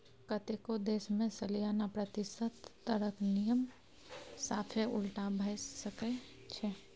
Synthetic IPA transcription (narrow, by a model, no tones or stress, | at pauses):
kət̪ekod̪eːsmẽsəlijanapɾət̪ɪsət̪ːəɾəknijəm | saːpʰeʊlʈabʱəɪsəke | t͡ʃʰɛ